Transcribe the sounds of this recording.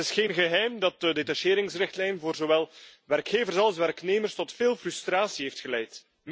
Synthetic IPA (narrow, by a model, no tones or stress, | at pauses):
ɪsxeːnɣəɦɛjmdɑt̚dədetaʃeːɾɪŋsrɪxtlɛjnvoːrzowɛlˠʋɛrkxeːvərsɑlˠsʋɛrkneːmərstɔtfeːlˠfrystraːsiɦeːftxəlɛjt